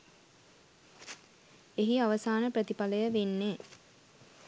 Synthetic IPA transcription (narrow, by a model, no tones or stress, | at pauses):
eɦiaʋəsaːnəprət̪ipaləjəʋenːe